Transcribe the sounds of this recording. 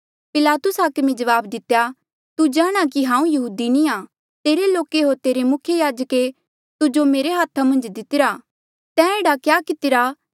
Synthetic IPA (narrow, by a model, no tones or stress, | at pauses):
pɪlaːt̪ʊsaːkmid͡ʒɐʋaːbd̪ɪt̪ːeja | t̪ud͡ʒaːɽ̃akiɦãːũjɐɦuːd̪iniaː | t̪eːɾeloːkeɦoːɾt̪eːɾemʊkʰjejaːd͡ʒəke | t̪ʊd͡ʒomeːɾeɦaːt̪ʰamɐ̃nd͡ʒd̪ɪt̪ɪɾaː | t̪ɛ̃ːeːɽakjaːkɪt̪ɪɾa